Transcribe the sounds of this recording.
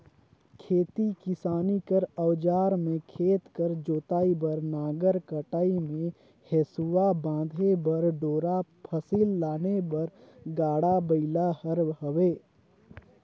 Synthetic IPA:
kʰeːt̪ikɪsaːnikəɾəwd͡ʒaːɾmẽkʰeːt̪kəɾd͡ʒoːt̪aːibɐɾnaːɡəɾkəʈaːimẽ | hesʊwabãːd̪ʱebɐɾɖoːɾapʰəsiːlːaːnebɐɾɡaːɽabəɪlahəɾbɦəʋeː

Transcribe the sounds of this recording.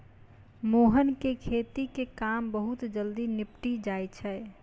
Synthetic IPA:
moɦənkekʰet̪ikekambəɦut̪d͡ʒəld̪inɪpʈid͡ʒajt͡ʃʰɛ

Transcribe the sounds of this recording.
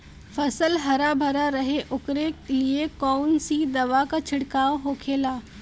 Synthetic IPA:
fɐsəlɦɐɾabʱɐɾaɾɐɦeʔʊkɾeliekɔːnsid̪ɐʋakat͡ʃʰɪɽkaːoɦoːkʰeːlaː

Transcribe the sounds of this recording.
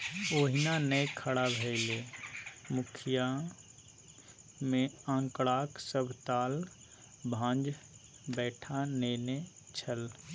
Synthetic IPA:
oːɦinanəjkʰəɽabʱɛɪle | mʊkʰija | mẽãːŋkɽaːksəbʱt̪aːl | bʱãːnd͡ʒ | bɛːʈʰaneːnet͡ʃʰəl

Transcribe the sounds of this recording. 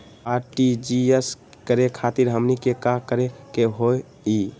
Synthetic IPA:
aɾʈid͡ʒies | kəɾekʰat̪iɾɦəmnikekakəɾekeɦoe | i

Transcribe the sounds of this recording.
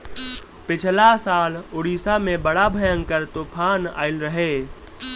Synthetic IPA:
pɪt͡ʃʰlasaːlʊɽiːsamẽbəɽabʱəjə̃ŋkəɾt̪opʰaːna̰ːɪlɾəɦeː

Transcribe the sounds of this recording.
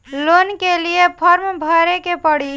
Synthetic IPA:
lonkeliepʰəɾmbʱəɾekepəɽ̤i

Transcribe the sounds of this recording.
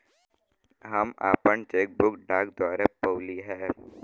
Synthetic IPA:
ɦɐma̰ːpəɳt͡ʃeːk̚bʊkɖaːk̚d̪aːɾepoːliɦɛː

